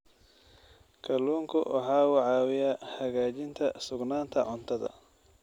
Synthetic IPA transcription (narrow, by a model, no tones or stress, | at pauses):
kʰɐluːŋkʰʊ̰wʔɑħɑːʊʕɑːwɪjaːhɐɣaːt͡ʃɪnt̪ʰɐsʊɡnaːnt̪ʰɐʕʊnt̪ʰɐðɐ̰